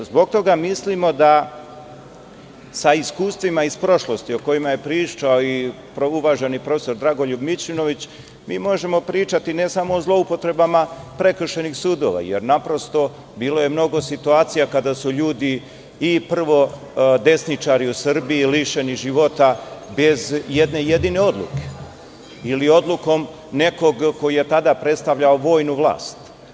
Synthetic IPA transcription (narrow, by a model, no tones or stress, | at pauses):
zbo̞ɡ̚t̪o̞ɡamislimo̞d̪a | saiskuːst̪ʋimaispɾo̞ʃlˠo̞st̪io̞ko̞jimaje̞pɾiːt͡ʃaoi | pɾouʋaʒenipɾo̞feso̞ɾd̪ɾaɡo̞ʎubmit͡ʃino̞ʋit͡ɕ | miːmo̞ʒe̞mo̞pɾiːt͡ʃat̪ine̞samo̞ːzlˠo̞upo̞t̪ɾe̞bamapɾe̞kr̩ʃe̞nixsuːd̪o̞̰ʋa̰jḛɾnapɾo̞st̪o̞ | biːlo̞je̞mno̞ɡo̞sit̪uaːt̪sijakad̪asuʎuːd̪iː | pr̩ʋo̞ | d̪e̞snit͡ʃaɾiusr̩biːliʃe̞niʒiʋo̞t̪abezje̞d̪ne̞je̞d̪ine̞o̞d̪lˠṵke̞̥ | ilio̞d̪luko̞m | ne̞ko̞ɡko̞ije̞t̪ad̪apɾe̞t̪st̪aʋʎaoʋo̞ːjnuʋlˠa̰ːst̪